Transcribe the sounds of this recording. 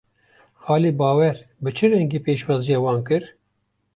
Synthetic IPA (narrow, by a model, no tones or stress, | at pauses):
xɑːliːbɑːwɛɾbɨt͡ʃʰɨɾɛŋɡeːpeːʃwɑːzijɑːwɑːnkɨɾ